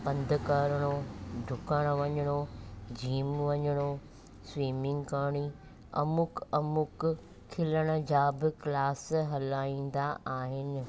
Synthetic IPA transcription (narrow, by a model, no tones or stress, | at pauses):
pɐ̃nd̪ʱʊkəɾɽ̃oɖʱʊkəɽ̃ʋɐɲəɽ̃od͡ʑʱiːmʋɐɲəɽ̃o | sʋiːmɪ̃ŋɡkaːɽ̃i | ɐ̰mʊkɐmʊkʰː | ɪləɽ̃ʊ̆d͡ʑaːbɪklaːsɦɐlaːĩːn̆d̪aaːɦɪnɪ̆